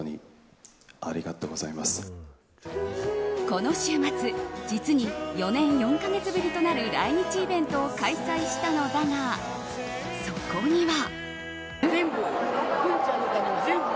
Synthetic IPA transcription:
ɲḭ | aɾʲiɡat̪oɡozaimasɨ̥ | ko̞no̞ɕɨːmat͡sɨd͡ʑit͡sɨɲ̟ijo̞nẽ̞ɰ̃jõ̞ŋkaɡe̞t͡sɨbɯ̟ɾʲit̪o̞naɾɯ̟ɾa̰iɲ̟it͡ɕiːbẽ̞nt̪o̞ːkaisaiɕi̥t̪ano̞d̪aŋa | so̞ko̞ɲ̟iβa | zẽmbɯ̃t͡ɕankane

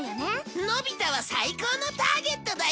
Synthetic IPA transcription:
nobʲit̪aβ̞asaiko̞ːnot̪aːɡe̞t̪ːo̞d̪a

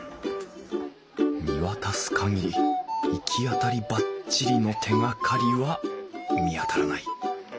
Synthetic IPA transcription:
mʲiβat̪asɨ̥kʰaŋiɾʲiikʲʰiat̪aɾʲibat͡ɕiɾʲino̞t̪ʰe̞ŋakʰaɾʲiβamʲiat̪aɾanai

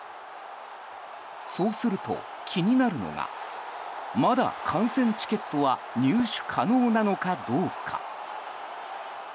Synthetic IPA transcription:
so̞ːsɨɾɯ̟t̪o̞̰ | kʲʰiɲ̟inaɾɯ̟no̞̰ŋa̰ | mad̪a̰kʰãɰ̃sẽ̞ɲ̟t͡ɕi̥ke̞t̪ːo̞βa | ɲɨːɕɨ̥kʰano̞ːnano̞kad̪o̞ːkʰa̰

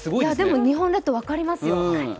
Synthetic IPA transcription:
sɨɡojaad̪e̞mo̞ɲ̟iɦõ̞nd̪at̪ːoβakaɾʲimasɨjone

